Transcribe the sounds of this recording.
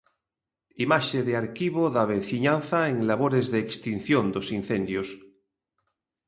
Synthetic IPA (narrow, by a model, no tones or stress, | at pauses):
imaʃeðeaɾkiβ̞oðaβenθiɲanθaeŋlaβ̞oɾezðeːkst̪in̟θjond̪osinθẽnd̪jos